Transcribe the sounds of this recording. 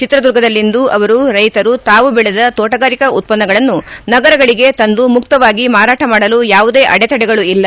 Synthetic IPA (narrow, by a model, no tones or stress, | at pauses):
t͡ʃit̪ɾɐd̪uɾɡɐd̪ɐlːind̪uɐʋɐɾuɾɐjt̪ɐɾut̪aːʋubɛɭɛd̪ɐt̪oːʈɐɡaːɾikɐut̪̚pɐnːɐɡɐɭɐnːunɐɡɐɾɐɡɐɭiɡe̞t̪ɐnd̪umuk̚t̪ɐʋaːɡimaːɾaːʈɐmaːɽɐlujaːʋud̪e̞ːʔɐɽɛt̪ɐɽɛɡɐɭuilːɐ